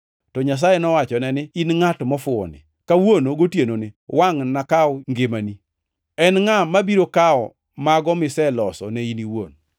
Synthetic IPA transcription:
tɔɲas̬ajenɔwat͡ʃɔnɛnɪinŋatmɔfʊɔ̰nɪ̰ | kawonoɡotjenonɪwaŋnakaɔŋɡemani | ɛnŋamabiɾokaɔ | maɡɔmɪsɛlɔsɔnɛiniwo̰n

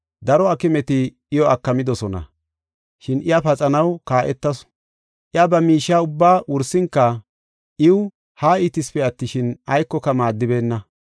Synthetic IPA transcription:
d̪ɐɾɔɐkɪmɛt̪ɪː | jɔɐkːɐmɪd̪ɔsɔnɐ̰ | ʃɪnʔɪjapɐt͡sʼɐnɐwkaːʔɛt̪ːɐs | ʔɪjabɐmiːʃːaːʊbːaːwʔʊɾsɪŋkːɐ | ʔɪwʊ | haːɪt̪ɪspɛɐt̪ːɪʃɪnɐjkːɔkɐmaːd̪ːɪbe̞ːnːɐ

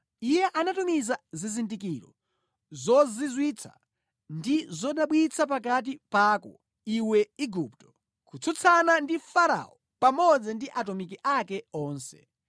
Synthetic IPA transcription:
ijɛʔanatumizazizindikiɾɔ̰ | zɔzizwit͡sʰa̰ | ndizɔɗaɓwit͡sʰapakat̬ipakɔ̰ | iwɛiɡuptɔ̥ | kut͡sʰut͡sʰanandifaɾa̰ɔ | pamɔd͡zɛndiʔatɔmik̬iʔakɛɔːnsɛ̰

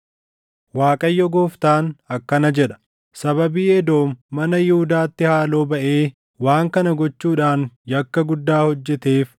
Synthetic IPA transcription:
waːkʼɐjːɔɡoːft̪aːnɐkːɐnɐd͡ʒɛᶑɐ̥ | sɐbɐbiːɛd̪o̞ːmːɐnɐjɪhʊd̪aːt̪ːɪhaːlo̞ːbɐʔeː | waːŋkɐnɐɡɔt͡ʃːuːᶑaːnjɐkːɐɡʊd̪ːaːhɔd͡ʒːɛt̪eːf

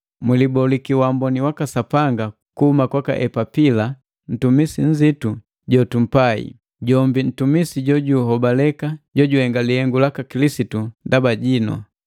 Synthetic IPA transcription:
milibɔlikiwambɔniwakasapaŋɡa | kuhumakwaka̰ʔɛpapila | n̩tumisiɲ̩zitu | ɟɔtum̩paḭ | ɟɔmbin̩tumisiɟɔɟuɦɔbalɛkaɟɔɟuhɛŋɡalihɛŋɡulakakilisitundabaɟinɔ̰

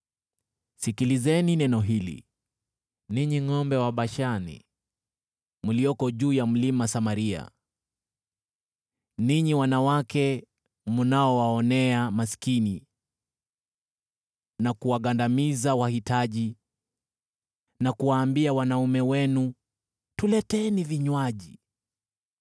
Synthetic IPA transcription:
sikilizɛninɛnɔɦilḭ | niɲiŋɔmbɛwaɓaʃanḭ | mulijɔkɔʄuːjam̩limasamaɾia̰ | niɲiwanawakɛ | munaɔwaɔnɛamaskini | nakuwaɠandamizawahitaʄi | nakuwaːmbiawanaumɛwɛnu | tulɛtɛniviɲwaʄi

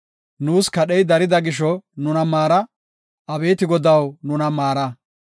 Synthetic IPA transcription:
nuːskɐɗɛjd̪ɐɾɪd̪ɐɡɪʃɔnʊnɐmaːɾɐ | ɐbe̞ːt̪ɪɡɔd̪ɐwnʊnɐmaːɾɐ

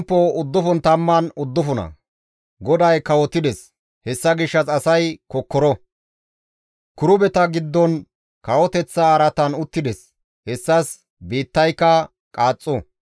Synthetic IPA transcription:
mpːɔʊd̪ːʊfɔnt̪ɐmːɐnʊd̪ːʊfʊnɐ̰ | ɡɔd̪ɐjkɐwɔt̪ːɪd̪ɛs | hɛsːɐɡɪʃːɐsɐsɐjkɔkːɔɾɔ | kʊɾʊbɛt̪ɐɡɪd̪ːɔn | kɐwɔt̪ɛt͡sːɐːɾɐt̪ɐnʊt̪ːɪd̪ɛs | hɛsːɐs | biːt̪ːɐjkːɐ | kʼaːt͡sʼːɔ

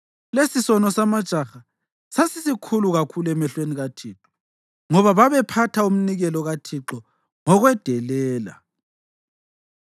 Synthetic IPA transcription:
lesisɔnɔsamad̥ʒ̥ʱaxa | sasisikʰuluɣakʰulɛmɛɬweniɣatʰiːǁɔ̥ | ŋɔβaβaβɛpʰatʰaum̩niɣɛlɔɣatʰiǁɔ | ŋɔɣwɛd̥ʱɛlɛːla̰

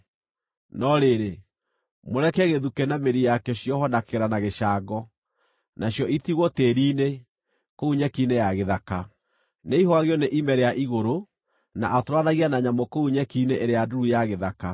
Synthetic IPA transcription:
nɔɾeɾe | moɾɛkɛɣeðukɛnameɾijakɛɔɕjɔɦɔnakeɾanaɣeʃaɡɔ | naɕjɔʔitiɣwɔteɾiːne | kouɲɛkinejaɣeðaka | neiɦwaɣeɔneʔimɛɾeaʔiɣoɾo | na̰ʔatɾwanaɣianaɲamɔkouɲɛkineʔeɾeaduɾujaɣeðaka

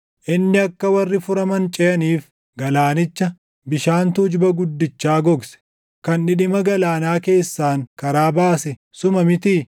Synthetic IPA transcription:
ʔɪnːɪɐkːɐwɐrːɪfʊɾɐmɐnt͡ʃʼɛjɐniːf | ɡɐlaːnɪt͡ʃːɐ | bɪʃaːnt̪ʊd͡ʒbɐɡʊd̪ːɪt͡ʃːaːɡɔɡsɛ̥ | kɐnᶑɪᶑɪmɐɡɐlaːnaːke̞ːsːaːŋkɐɾaːbaːsɛ | sʊmɐmɪt̪iː

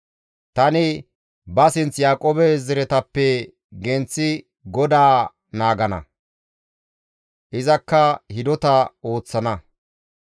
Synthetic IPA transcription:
t̪ɐnɪ | bɐsɪnt͡sjaːkʼoːbɛzɛɾɛt̪ɐpːɛ | ɡɛnt͡sːɪ | ɡɔd̪aː | naːɡɐnɐ̰ | ʔɪzɐkːɐhɪd̪ɔt̪ɐo̞ːt͡sːɐnɐ

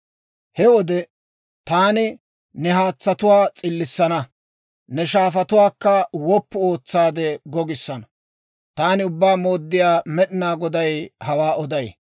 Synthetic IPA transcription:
hɛwɔd̪ɛ | t̪aːnɪ | nɛɦaːt͡sːɐt̪ʊwaːt͡sʼɪlːɪsːɐnɐ | nɛʃaːfɐt̪ʊwaːkːɐwɔpːʊo̞ːt͡sːaːd̪ɛɡɔɡɪsːɐnɐ | t̪aːnɪʊbːaːmo̞ːd̪ːɪjaːmɛɗɪnaːɡɔd̪ɐjhɐwaːɔd̪ɐj

